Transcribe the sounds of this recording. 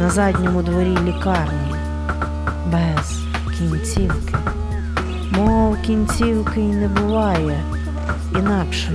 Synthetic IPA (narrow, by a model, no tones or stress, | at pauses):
nɐzɑdʲnʲɔmʊd̪ʋɔɾʲilʲikɑrnʲi | bɛz̥ | kʲinʲt͡sʲiwkɪ | mɔwkʲinʲt͡sʲiwkɪinɛbʊʋɑjɛ | inɑkʃɛ